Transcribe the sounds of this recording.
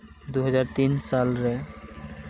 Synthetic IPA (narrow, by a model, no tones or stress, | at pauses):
d̪uɦɔzaɾt̪insalɾɛ